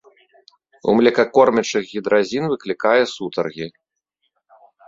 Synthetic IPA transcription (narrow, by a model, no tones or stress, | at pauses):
ṵmlʲɛkɐkɔrmʲɐt͡ʂɨɣɣʲid̪ɾazʲinvɨklʲikajɛsut̪ɐrɣʲi